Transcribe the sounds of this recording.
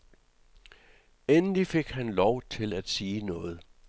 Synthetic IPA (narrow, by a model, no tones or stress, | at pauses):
enəlife̝ɡ̥hænlɒʊ̰t͡sʰe̝læd̥siːnɔ̽ːð̞̩ˠ